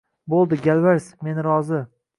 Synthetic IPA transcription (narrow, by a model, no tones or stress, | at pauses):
bolˠd̪ɪɡʲalvaɾsme̞nɾɒzɪ